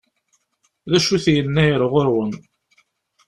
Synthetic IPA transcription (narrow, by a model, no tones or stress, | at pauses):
ðæʃuθjənːæjɾˤəʁoɾwən